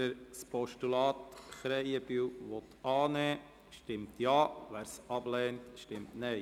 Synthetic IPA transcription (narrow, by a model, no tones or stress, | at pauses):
əɾspɔʃtulɑːt̪χɾɛjəbyːwʋɔt̪ɑːnɛː | ʃtɪmtjɑːʋæːɾsɑb̥lɛːntʃtɪmtnɛɪ